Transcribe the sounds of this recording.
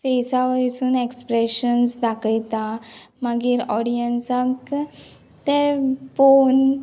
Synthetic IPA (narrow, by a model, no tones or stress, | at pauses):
fesaʋəjsuːnekspɾeɕənsd̪akʰəjt̪a | maɡiːɾɔɽijənsak | t̪efon